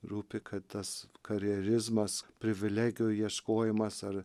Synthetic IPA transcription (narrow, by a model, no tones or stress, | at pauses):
ɾuːpʲɪkʰɐt̪t̪ɐskɐɾʲɛɾʲɪzmɐspʲɾʲɪʋʲɪlʲæːɡʲɪjʊːjiɛʃkoːjɪmɐsɐɾ